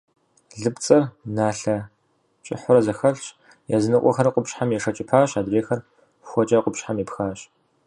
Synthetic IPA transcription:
ɮɨpt͡sʼɐrnaːɬɐ | t͡ʃʼɪħʷʊrɐzɐxɐɬt͡ʃ | jazɨnɨqʷʼɔ̰xɐɾɐqʷʊpɕħamjɛʂɐt͡ʃʼɪpʰaːɕaːdreːxɐr | xʷɔt͡ʃʼaːqʷʊpɕħamjiːpxaːɕ

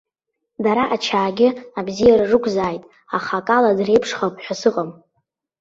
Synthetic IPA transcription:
daɾaʔat͡ʃʰaːɡʲɪabzijaɾarɨkʷʰʼzaːjtʼ | aχakʼaladre̞jpʰʂχapʼħʷᶣasɨqʼam

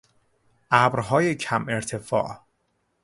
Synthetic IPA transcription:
ʔæbɾɦɒːjecʰæmeɾt̪ʰe̞fɒ̰ːʔ

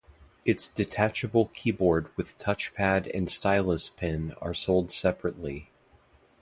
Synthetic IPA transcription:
ɨtsd̥ɨtʰæt͡ʃɨbl̩ˠkʰibɔɹd̚wɨð̥tʰʌt͡ʃpʰæɾɨ̰̃nstaɪlˠəspʰɪ̃nə̰˞soʊlˠd̥sɛpɹɨʔˡli

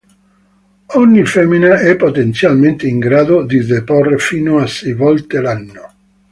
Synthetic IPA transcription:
ɔɲːifɛmːinaʔɛpːot̪ent̪sjalment̪eiŋɡɾaːd̪od̪id̪eporːefiːnoasːɛjvɔlt̪elanːo

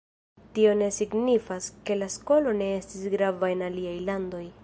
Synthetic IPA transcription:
tio̞ne̞siɡnifaske̞lasko̞lo̞ne̞e̞stisɡɾavae̞naliajlando̞j

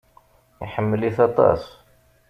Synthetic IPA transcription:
jħəmːəliθɑt̪ˤɑ̰s

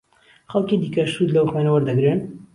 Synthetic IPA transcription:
xɐlkid̪iːkɐʃt̪ud̪lɐwxwenɐwɐɾd̪ɐɡɾen

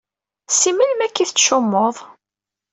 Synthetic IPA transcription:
siməlmækːiθt͡sːʃʊmːoðˤ

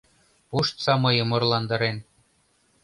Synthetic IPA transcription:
puʃt̪sɑmɤ̆jɤ̆mŏrlˠɑnd̪ɤ̆ɾen

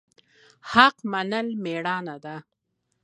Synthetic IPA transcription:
haqmanəlmeɽɑnad̪a

